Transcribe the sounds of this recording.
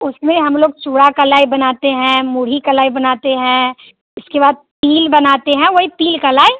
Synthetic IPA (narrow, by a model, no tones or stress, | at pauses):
ʊsmẽɦɐmloːɡ̚t͡ʃuːɽakɐlaːibɐnaːt̪eɦɛ̃mʊːɽ̤ikɐlaːibɐnaːt̪eɦɛ̃ | ʊskebaːd̪̚piːlbɐnaːt̪eɦɛ̃ʋoipiːlkɐlaːe